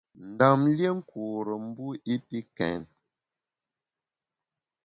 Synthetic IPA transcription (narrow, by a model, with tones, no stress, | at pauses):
n̩˨da˨mlje˦ŋ̩˦kuː˨ɾə˨m˦bu˦i˦pi˦kɛ̰˨n